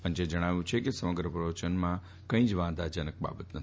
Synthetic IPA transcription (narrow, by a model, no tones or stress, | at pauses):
pənt͡ʃed͡ʒəɽ̃aʋjũt͡ʃʰekesəməɡɾəpɾəʋət͡ʃənmã | kə̃ĩd͡ʒʋãd̪ʱad͡ʒənək̚ba̰bət̪nə